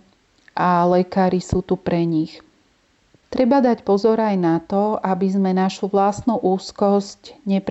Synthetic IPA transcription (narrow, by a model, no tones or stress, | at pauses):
ʔalɛkaːɾisuːt̪upɾɛɲix | t̪ɾɛbad̪acpɔzɔɾajnat̪ɔabizmɛnaʃuʋlast̪nuʔuːskɔscɲɛpɾ